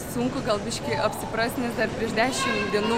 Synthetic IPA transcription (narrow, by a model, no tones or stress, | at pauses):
suŋkʊɡɐlˠbʲɪʃʲkʲɛɪʔɐpʲsʲɪpɾɑːsʲnʲesd̪ɐɾpʲɾʲiɛʒʲd̪ʲæːʃʲɪmd̪ʲiɛnuː